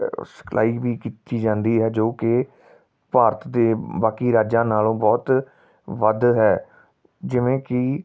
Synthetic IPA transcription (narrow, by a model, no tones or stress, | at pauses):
sə̥kʰlʔa̰ːiːʋiːkit̪ːiːd͡ʒãːnd̪iːɦɛːd͡ʒoːkɪ | paːɾət̪d̪eːbaːkiːɾaːd͡ʒãːnaːlõːbɔːt̪ | ʋəd̪ɦɛː | d͡ʒɪʋẽːkɪ